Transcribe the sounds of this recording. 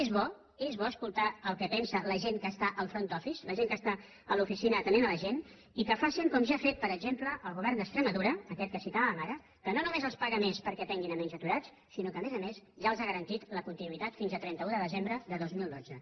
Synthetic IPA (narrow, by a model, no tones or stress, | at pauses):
ezβɔ | ezβɔəskulˠt̪aəlˠkɛpɛnsələʒenkəst̪aʔəlˠfɾont̪ɔfisləʒeŋkəst̪a | əlufisinəːt̪ənenələʒen | ikəfasiŋkɔmʒafet̪̚pəɾəɡzempləʔːlˠɣuβɛrnd̪əkst̪ɾəməðuɾəːkɛt̪̚kəsit̪aβəəmaɾə | kənonumezəlˠspaɣəmespəɾkɛt̪ɛŋɡinəmɛnzət̪uɾat͡s | sinokəːmezəmezʒaəlˠzaɣəɾənt̪it̪ləkunt̪inuit̪at̪finzət̪ɾɛnt̪əuðəðəzembɾəðəðozmilˠd̪odd͡zə